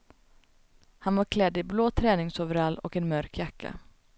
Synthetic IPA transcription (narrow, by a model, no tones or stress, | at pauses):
hanvaɾkʰlɛd̪ːɪbloːt̪ʰɾɛːnɪŋsovəɾalːɔ̰kɛnmœɾkjakʰːa̰